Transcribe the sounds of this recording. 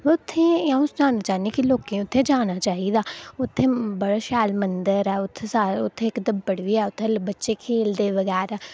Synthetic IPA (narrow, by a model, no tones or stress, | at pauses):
ʋʊt̪ʰːẽːjãːʊsd͡ʒaːnaːt͡ʃaːinẽkiloːkẽːʊt̪ʰːẽːd͡ʒaːñaːt͡ʃaːɦiːd̪aːʊt̪ʰːẽːbəɽaːʃaːlmənd̪əɾɛːʊt̪ʰːeːsaːɾʊt̪ʰːẽːkd̪əmbəɽʋiːɛːʊt̪ʰːeːbətːʃeːkʰeːld̪eːʋəɡɛːɾɛː